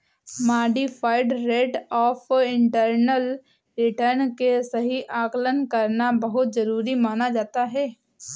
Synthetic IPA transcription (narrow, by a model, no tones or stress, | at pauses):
maːɖifʰaːɪɖɾeːɖɔːfɪ̃ɳʈəɾnəl | ɾɪʈəɾnkesɐɦiʔaːklənkɐɾnabɐɦʊt̪zɐɾuːɾimaːnad͡ʒaːt̪aɦɛː